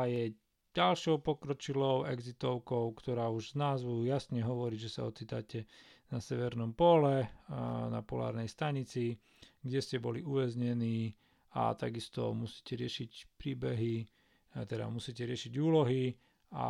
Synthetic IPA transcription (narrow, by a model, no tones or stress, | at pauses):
jɛ | ɟalʃɔʊpɔkɾɔt͡ʃilɔʊɛɡzit̪ɔʊkɔʊkt̪ɔɾaːuʒznaːzbuujasɲɛɦɔʋɔɾiːʒɛsa̰ɔt͡siːt̪acɛ | nasɛʋɛɾnɔmpɔlɛ | na̰pɔla̰ːɾnɛjst̪aɲit͡si | ɡɟɛscɛbɔliuʋɛzɲɛniː | a̰t̪aɡist̪ɔ̰musi̥ːcɛɾɪɛʃicpɾiːbɛɦi | t̪ɛd̪a̰musiːcɛɾɪɛʃiɟuːlɔɦi | a̰